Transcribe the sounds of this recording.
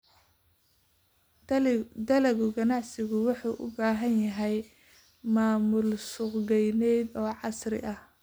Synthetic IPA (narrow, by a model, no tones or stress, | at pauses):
d̪ɐlɛɣʊɡɐnɑʕsɪɣʊwɑħuːʔʊ̰baːɦɐnjɐɦɛj | maːmʊlsʊqɡɛjnɛjd̪ɔːʕɑsrɪ̰ʔɐh